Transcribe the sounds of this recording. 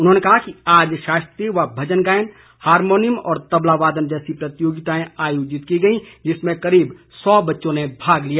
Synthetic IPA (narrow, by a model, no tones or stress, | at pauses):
ʊnɦoːnekɐɦakiaːd͡ʒʃaːst̪ɾiʋabʱɐd͡ʒənɡaːjn | haːɾmoːnɪmɔ̰ːɾt̪ɐblaʋaːd̪ənd͡ʒɛːsipɾɐt̪joːɡɪt̪aːẽaːjoːd͡ʒɪt̪kiɡɐĩd͡ʒɪsmẽkɐɾiːb | sɔːbɐtːʃõnebʱaːɡlijaː